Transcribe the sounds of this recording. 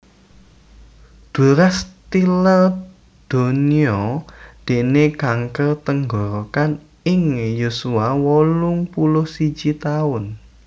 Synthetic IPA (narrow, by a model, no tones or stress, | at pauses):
d̪̥ṳɾast̪ilər | d̪̥o̤niɔd̪̥e̤nekaŋkərt̪əŋɡɔɾokan | ɪŋjusuawɔlʊŋpulʊhsi̥d͡ʒ̥it̪aʊn